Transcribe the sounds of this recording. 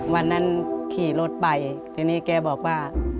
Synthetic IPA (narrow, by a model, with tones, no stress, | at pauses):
wa˧nːa˦˧˥nkʰiː˨˩lo˦˥˩t̪̚pa˨˩jt̪ʰiː˧˩nːiː˦˥˨kɛː˧bɔː˨˩k̚waː˧˩